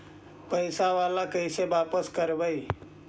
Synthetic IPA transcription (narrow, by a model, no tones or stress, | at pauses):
pəɪsaʋalakəɪsebapəskəɾbəj